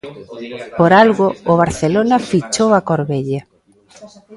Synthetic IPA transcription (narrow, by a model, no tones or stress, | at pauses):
poɾalɣʊːβ̞aɾθelonɐfit͡ʃowakoɾβeʎa